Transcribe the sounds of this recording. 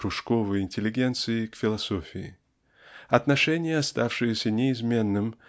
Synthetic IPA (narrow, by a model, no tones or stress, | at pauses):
ʊʂko̞vəjɪnʲtʲɪlʲɪɡʲe̞nt̪sɨɪkfʲɪlˠɐso̞fʲɪɪ̰ | ɐt̪nɐʂɛnʲɪjəɐst̪afʂɨjəsʲənʲɪɪzmʲe̞nːɨm